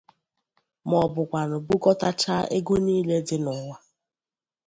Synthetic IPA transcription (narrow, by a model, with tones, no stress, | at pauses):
mɔ˨bʊ˨kʷa˨nʊ˨bu˦kɔ˦ta˦t͡ʃa˦ʔe˦ɡo˦niː˦le˦dɪ˦nɔ˨ŋʷa˦